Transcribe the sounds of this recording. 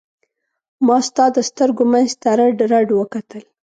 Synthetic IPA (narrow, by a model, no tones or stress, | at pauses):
mɑst̪ɑd̪əst̪əɾɡomanzt̪aɾaɖɾaɖwəkat̪əl